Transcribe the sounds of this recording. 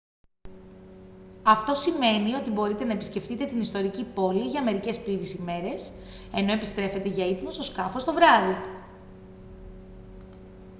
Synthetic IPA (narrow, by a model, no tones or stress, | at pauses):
ɐft̪o̞sime̞nio̞t̪ibo̞ɾit̪e̞nɐe̞pi̥sce̞ft̪it̪e̞t̪inist̪o̞ɾicipo̞liʝɐme̞ɾice̞spliɾisime̞ɾe̞s | e̞no̞e̞pist̪ɾe̞fe̞t̪e̞ʝɐit̪muso̞skɐfo̞st̪o̞vɾɐði